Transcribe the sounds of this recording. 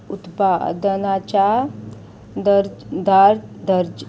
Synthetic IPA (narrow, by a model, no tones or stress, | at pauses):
ut̪pad̪ənat͡ʃa | d̪ɾd̪aɾd̪əɾd͡ʒ